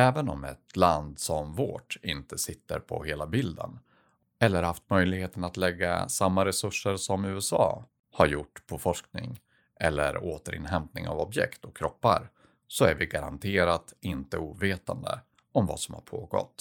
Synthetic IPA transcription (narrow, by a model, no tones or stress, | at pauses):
ɛːvənɔmɛ̰t̪land̪sɔmvoːʈɪnt̪əsɪt̪ːə̰ɾpʰɔ̰heːlabɪld̪ə̰n | ɛlːəɾhaft̪mœjlɪɡheːt̪ənat̪lɛɡːa̰samːaɾɛsɵʂəɾsɔmʉ̟ːɛsɑ̰ː | haɾjʊʈːpʰɔfɔʂknɪ̰ŋ | ʔɛlːə̰ɾoːt̪əɾɪ̰nɦɛmpnɪ̰ŋa̰vɔbjɛ̰kt̪ɔkʰːɾɔpːaɾ | sɔæɾvɪɡaɾa̰nt̪ʰeːɾat̪ɪnt̪əuːveːt̪and̪ə̰ | ɔmva̰ːsɔmha̰ɾpʰoːɡɔ̰t̪ː